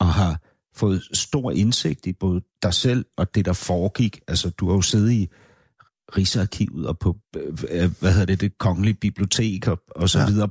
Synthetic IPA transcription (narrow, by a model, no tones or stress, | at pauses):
ɒ̽ɦɑ̈ | fɔ̽ːð̩ˠsd̥o̝ɐ̰ʔe̝nse̝ɡ̥̚d̥ib̥ɔ̽ːð̞̩ˠd̥ɑ̈ɪsel̰ɒ̽d̥e̝d̥ɑ̈fɒːɡ̥iɡ̥ælsəd̥uhɑ̈jo̝se̝ːð̞̩ˠi | ʁisəɑkʰḭʊð̩ˠɒpʰɒ̽ | ʋæhe̝ðˠɐd̥ed̥e̝kʰɒ̽ŋəlib̥ib̥lio̝t͡sʰe̝̰ːɡ̥ɒɒ̽sɒ̽ʋið̞ˠɐː